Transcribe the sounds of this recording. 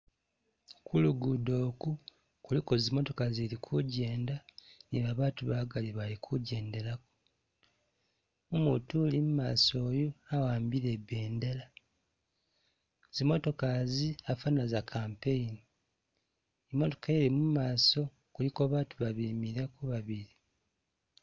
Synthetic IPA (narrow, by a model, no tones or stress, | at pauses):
kuluɡudo̞ːku | kuliko̞zimo̞to̞kazeɾikʰuɟe̞ːndaniβaβaːtuβaɡaliβalikʰuɟe̞ːnde̞ɾako̥ | umutuːlimumaːso̞ːjoawaːmbiɾe̞βe̞ːndela | zimo̞to̞kaziafanazakʰaːmpeini | emːo̞to̞̥kaeɾimumaːso̞ | kulikoβaːtuβaβimiɾakuβaβiɾi